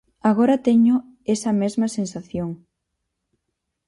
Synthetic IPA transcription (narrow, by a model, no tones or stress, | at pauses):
aɣoɾɐt̪ɛɲʊ | ɛsɐmɛzmɐsensaθjoŋ